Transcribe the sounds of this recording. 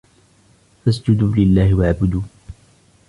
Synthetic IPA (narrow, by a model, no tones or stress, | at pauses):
fasd͡ʒʊd̪uːlɪlːaːhɪwaʕbʊd̪uː